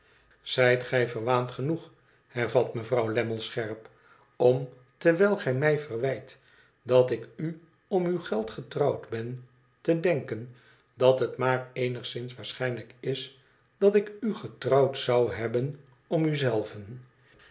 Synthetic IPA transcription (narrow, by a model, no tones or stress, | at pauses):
z̥ɛjtχɛjvərʋaːntχənuχ | hɛɹvɑtməvrɑwlɛməlˠsχɛɹp | ɔm | təɹʋɛjlˠχɛjmɛjvərʋɛjt | dɑtɪky | ɔmywχɛlˠtχətrɑwdbɛn | tədɛŋkən | dɑtɦətmaːɹejnəχsɪnsʋaːɹsχɛjnləkɪs | d̥ɑtɪkyχətrɑwtsɑwɦɛbən | ɔmyzɛlˠvən